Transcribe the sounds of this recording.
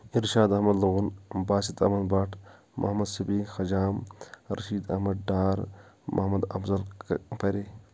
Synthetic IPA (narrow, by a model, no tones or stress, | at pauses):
iɾʃaːd̪ɐhmɐd̪luɣunbaːsit̪ʰɐ̰hmɐnbaʈʰ | mʔɐ̰hmɐd̪sibiːxɐd͡ʒaːmɾɐ̰ʃiːd̪ɐ̰hmɐd̪ɖaːɾmʔɐ̰hmɐd̪ɐ̰bzɐlpɐɾe